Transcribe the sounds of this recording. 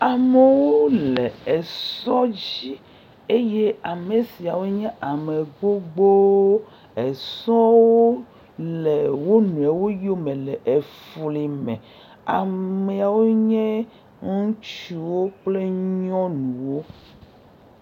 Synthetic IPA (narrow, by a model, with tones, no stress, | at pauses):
a˨me˨wo˦le˨e˨sɔ˦d͡ʑi˦ | e˦je˦a˨me˨si˨a˨wo˦ɲɛ̃˦ʔa˨me˨ɡ͡bo˦ɡ͡bo˦ | e˨sɔ˦wo˦ | le˨wo˦nũ˨e˨wo˦jo˦mẽ˨le˨ʔe˨fli˨mɛ̰̃˨ | a˨me˨a˨wo˦ɲɛ̃˦ | ŋũ˦t͡ʃu˦wo˦k͡ple˦ɲɔ̃˦nũ˨wo˦